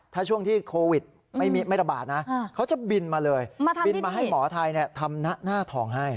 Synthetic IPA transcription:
t̪ʰaː˥˩t͡ɕʰu˥˩əŋt̪ʰiː˥˩kʰoː˧wi˨˩t̪̚ | mma˥˩jmiː˦˥˩ma˥˩jɾa˧baː˨˩t̪̚na˦˥kʰa˦˥wt͡ɕa˨˩bi˧nmaː˧lɤː˧jbi˧nmaː˧ɦa˥˩jmɔː˩˦t̪ʰa˧jni˥˩ɐt̪ʰa˧mna˦˥naː˥˩t̪ʰɔː˨˩ŋɦa˥˩j

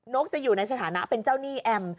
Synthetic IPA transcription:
no˦˥k̚t͡ɕa˨˩ʔjuː˨˩na˧js̬a˧t̪ʰaː˩˦na˦˥pe˧nt͡ɕaː˥˩wniː˥˩ʔɛ˧m

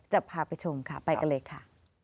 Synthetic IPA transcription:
t͡ɕa˨˩pʰːaː˧pa˧jt͡ɕʰo˧mkʰa˥˩pa˧jka˧nlɤː˧jkʰa˥˩

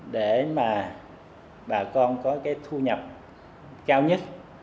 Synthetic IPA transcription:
ɗe˧˩maː˨˩ | ɓaː˨˩kɔ˧nkɔ˨˦kaː˨˦jt̪ʰu˧ɲə˨˩p̚ | kaː˧wɲə˦˥t̚

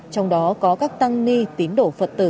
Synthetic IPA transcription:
t͡ɕɔ˧wŋ͡mɗɔ˨˦kɔ˨˦kaː˦˥k̚t̪a˧ŋli˧t̪i˨˦ənɗo̰˧˩˨fə̰˨˩t̚t̪ɨ̰˧˩

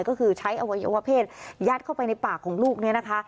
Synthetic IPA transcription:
jkɔː˥˩kʰɯː˧t͡ɕʰa˦˥jʔa˧wa˧jo̰˧wa˧˥pʰeː˥˩t̪̚jaː˦˥t̪̚kʰa˥˩wpa˧jna˧jpaː˨˩kʰːɔː˩˦ŋluː˥˩k̚ni˦˥ɐna˦˥kʰa˦˥

